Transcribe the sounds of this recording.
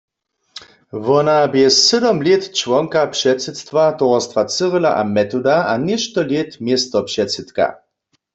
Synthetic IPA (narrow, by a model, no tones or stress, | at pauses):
vɔnabjɛsɛdɔmlet̪t͡ʃvɔŋkapʂɛtt͡sɛt̪st̪vat̪ɔʁɔst̪vat͡səʁəla̰ʔamɛt̪ɔd̪aʔanɛʃt̪ɔljet̪mjɛst̪ɔpʂɛtt͡sɛt̪ka̰